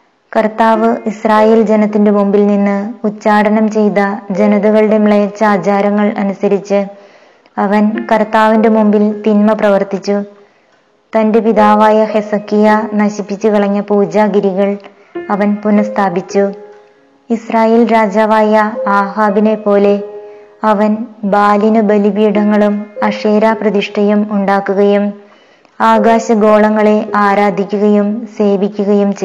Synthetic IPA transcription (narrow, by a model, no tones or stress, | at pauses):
kɐrt̪aːʋɨisraːje̞ːld͡ʑe̞nɐt̪ːinde̞mumbilninːɨut͡ɕːaːɽɐnɐmt͡ɕe̞jt̪ɐd͡ʑe̞nɐðuɣɐɭɨɽemɭeːt͡ɕːaːd͡ʑaːɾɐŋːɐɭɐ̰nusɐɾit͡ɕːɨ | ɐʋɐnkɐrt̪aːʋinde̞mumbilt̪inmɐprɐʋɐrt̪it͡ɕːu | t̪ɐndepiðaːʋaːjɐhe̞sɐkːijanɐɕipːit͡ɕːukiɭɐɲːɐpuːd͡ʑaːɡiɾiɣɐɭ | ɐʋɐnpunːɐst̪ʰaːbit͡ɕːu | israːje̞ːlɾaːd͡ʑaːʋaːjɐaːɦaːbine̞pːo̞ːle̞ɐʋɐnbaːlinɨbɐlibiːɽɐŋːɐɭumɐʂe̞ːɾaːprɐd̪iʂʈʰɐjumuɳɖaːkːuɣɐjum | aːɡaːɕɐɡo̞ːɭɐŋːɐɭe̞ʔaːɾaːd̪ʱikʲːuɣɐjumse̞ːʋikʲːuɣɐjumt͡ɕ